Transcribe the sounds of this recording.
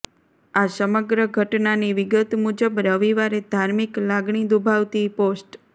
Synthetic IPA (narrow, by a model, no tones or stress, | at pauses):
asəməɡɾəɡʱəʈnaniʋɪɡət̪mud͡ʒəbɾəʋiʋaɾed̪ʱaɾmiklaɡɳ̃id̪ubʱaʋt̪iposʈ